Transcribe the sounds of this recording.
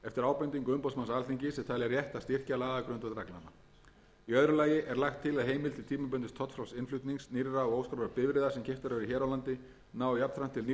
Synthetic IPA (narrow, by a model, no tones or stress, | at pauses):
ɛft̪ɪɾaːwpʏnt̪iŋkʏmpɔw̪smansalθiŋcɪsɛmt̪ʰaːlɛɣaɾjɛht̪ast̪ɪr̥calaːakɾʏnt̪at̪ɾakna̰na̰ | iœðɾʏlaːjɪʔɛɾlaxt̪ʰːɪlaðɦeːjmɪlt̪ʰɪlt̪ʰiːmap̬ʏnt̪ɪst̪ʰɔht̪fɾawlsɪnflʏt̪niŋsnɪɾːaɔoːwskɾaɾvaɾpɪvɾɪðḁsɛmcʰɛft̪aɾvɛɾiçɛːɾawlant̪ɪ | naːwjapnθʰɾan̥t̪ʰɪln